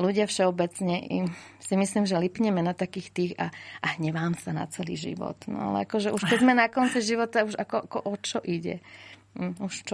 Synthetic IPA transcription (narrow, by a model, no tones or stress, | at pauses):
luɟɪafʃɛɔbɛt͡sɲɛʔḭmsimisliːmʒɛlipɲɛmɛnat̪akiːxt̪iːxa̰ʔaɦɲɛʋaːmsana̰t͡sɛlḭːʒḭʋɔ̰t̪nɔ̰a̰lɛ̰akɔʒɛʔuʃkɛd͡zmanakɔnt͡siʒiʋɔt̪auʒakɔʔakɔʔɔt͡ʃɔʔiɟɛ̰ | uʃt͡ʃɔ